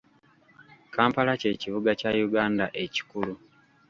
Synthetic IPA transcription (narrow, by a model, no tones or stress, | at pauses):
kaːmpalace̞ːciβuɡacajuɡaːndaʔe̞ci̥kulu